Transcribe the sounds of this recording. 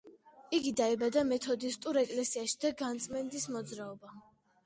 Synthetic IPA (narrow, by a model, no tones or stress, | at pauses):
iɡid̪aibad̪amɛt̪ʰɔd̪ist̪ʼuɾɛkʼlɛsiaʃid̪aɡant̪sʼmɛnd̪ismɔd̪zɾaɔba